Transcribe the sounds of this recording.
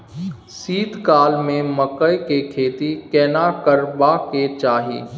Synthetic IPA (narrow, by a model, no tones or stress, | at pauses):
siːd̪kaːlmẽməkəjkekʰeːt̪ikɛːnakəɾbaket͡ʃaːɦḭː